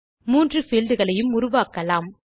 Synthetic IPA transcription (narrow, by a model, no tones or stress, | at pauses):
muːndrɯfɪld̪ɯɣɐɭɐjɯmʊɾʊʋaːkɐlaːm